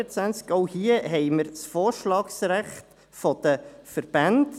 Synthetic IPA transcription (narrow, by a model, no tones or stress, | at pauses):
ət͡sʋænt͡skoʊhiəɦɛɪməɾsfoːɾʃlɑːksɾæχt | fɔd̪̥əfəɾb̥and